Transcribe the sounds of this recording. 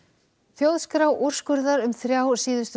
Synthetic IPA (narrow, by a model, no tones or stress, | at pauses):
θjowðskɾaːwʔuɾ̥skʏɾðaɾʏmθɾjaːwsiːðʏst̪